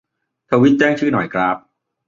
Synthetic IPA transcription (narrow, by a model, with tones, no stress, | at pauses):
t̪ʰa˧wi˦˥t̪̚t͡ɕɛː˥˩ŋt͡ɕʰɯː˥˩nɔ̰˨˩jkʰɾa˦˥p̚